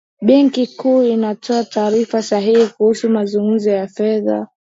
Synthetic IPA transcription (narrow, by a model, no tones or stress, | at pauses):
ɓɛŋkikuːinatʰɔataːɾifasaɦihikuhusumazuŋɡum̩zɔjafɛða̰